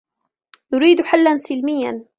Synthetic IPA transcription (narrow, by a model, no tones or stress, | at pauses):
nʊɾiːd̪ħalːansɪlmɪjːan